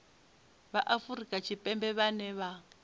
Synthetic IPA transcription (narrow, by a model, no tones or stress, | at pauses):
βaʔafuɾikʼat͡ʃʰipʼɛmbɛβanɛβa